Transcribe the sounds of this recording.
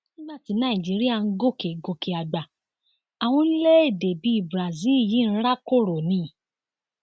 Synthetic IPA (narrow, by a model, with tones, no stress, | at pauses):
nĩ˦ba˦˨ti˨˧˦nã˦˨ĩ˨d͡ʒi˨˦ɾi˦a˦˨n̩˦ɡo˦˨ke˨ɡo˧ke˨a˨ɡ͡ba˨ | a˨w̃ɔ̃˧i˦le˦e˦˨de˨bi˨˦i˦˨bɾa˨zi˦˨ji˨˦n̩˦ɾa˦ko˦˨ɾo˨nĩ˨˦˨